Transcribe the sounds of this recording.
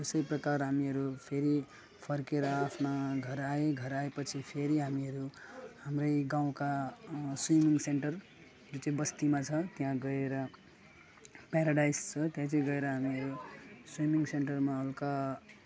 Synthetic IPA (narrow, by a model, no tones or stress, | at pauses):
esʌjprʌkarɦamiʌɾupʰeɾi | pʰʌrkeɾʌːpʰnaɡʱʌɾaeɡʱʌɾaepʌt͡sʰipʰeɾiɦamiʌɾuhamrʌjɡaw̃kaswimiŋseɳʈʌr | d͡zot͡sʌĩbʌst̪imat͡sʰʌt̪iɦãɡʌeɾʌ | paɾaɖajst͡sʰʌt̪jãt͡sʌĩɡʌeɾʌɦamiʌɾuswimiŋseɳʈʌrmaʌlka